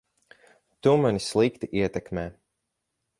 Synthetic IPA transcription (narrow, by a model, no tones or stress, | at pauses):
t̪umanislˠikt̪iʔiɛt̪ɛkmɛː